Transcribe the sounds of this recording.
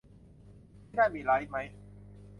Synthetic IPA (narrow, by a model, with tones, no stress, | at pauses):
naː˥˩miː˧la˦˥jma˦˥j